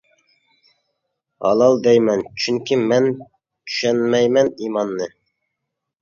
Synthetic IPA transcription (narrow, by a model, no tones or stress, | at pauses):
hɑ̰lˠɑlˠd̪ɛjmɛnt͡ʃʰyŋkʲimɛn | t͡ʃʰy̥ʃɛnmɛjmɛnimɑnːɨ